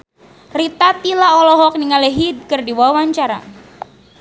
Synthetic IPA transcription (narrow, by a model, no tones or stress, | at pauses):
rit̪at̪ilaɔlɔɦɔk̚niŋaleɦid̪̚kɨrdiwawaɲt͡ʃaɾa̰